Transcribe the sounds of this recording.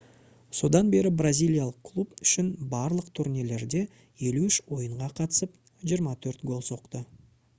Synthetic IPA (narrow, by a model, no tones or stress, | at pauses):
so̞d̪ɑnbe̞ɾɪbrazʲijlʲˠijalˠəqkʰlˠupʏʃɪnbɑɾlˠəqt̪ʰuɾnele̞ɾd̪e̞ | je̞luʏʃwo̞jəɴʁɑqʰɑt̪əsəp | ʒijəɾmɑt̪ʰɵɾt̪ɡo̞lˠso̞qt̪ə